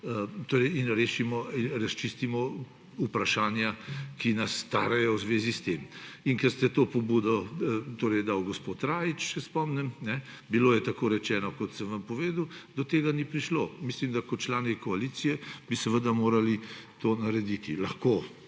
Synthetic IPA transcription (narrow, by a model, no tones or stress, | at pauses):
t̪oːɾɛjinɾeːʃimɔiɾast͡ʃist̪imɔ | upɾaʃaːnjakinɐsːt̪a̰ːɾɛjɔwzʋeːzist̪eminkɛɾst̪ɛt̪oːpɔbuːd̪ɔt̪oːɾɛjd̪awɡɔspot̪ɾaːjit͡ʃsɛspɔmnɛmnɛ | biloːjɛt̪akoːɾɛt͡ʃɛːnɔkɔt̪səmʋampɔʋeːd̪əwd̪ɔt̪eːɡanipɾiʃlomislimd̪akɔt̪t͡ʃlaːnikɔalit̪sijɛbisɛʋəd̪amoːɾalit̪oːnaɾɛd̪it̪ilɐxkoː